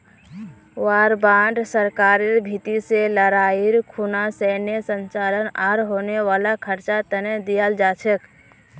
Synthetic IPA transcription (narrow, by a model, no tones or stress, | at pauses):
waːɾbãːɳɖsəɾkaːɾeɾbʱit̪iseləɾaiɾkʰunasɛnesənt͡ʃalənaːɾɦoːneʋaːlakʰəɾt͡ʃat̪ənɛ̃d̪ijəld͡ʒaːt͡ʃʰək